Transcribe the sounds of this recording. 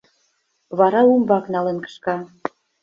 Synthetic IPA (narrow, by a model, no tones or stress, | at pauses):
βɑɾɑumbɑknɑlenkə̥ʃkɑ